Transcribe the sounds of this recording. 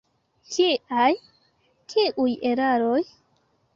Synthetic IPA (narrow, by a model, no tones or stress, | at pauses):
t͡ʃiaj | kiʔujeɾaɾoj